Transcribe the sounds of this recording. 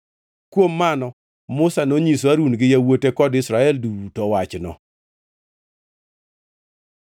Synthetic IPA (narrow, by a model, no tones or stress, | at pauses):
kwomːanɔ | mʊsanoɲiswaɾunɡɪjawotekɔdɪsɾaɛlduutɔwat͡ʃnɔ̰